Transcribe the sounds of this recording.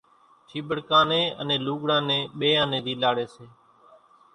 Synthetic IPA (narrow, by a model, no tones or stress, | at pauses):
t͡ʃʰiːɓəɽkãːnẽːənẽːluːɠɽãːnẽːɓeːãːnẽːd̪iːlaːɽeːseː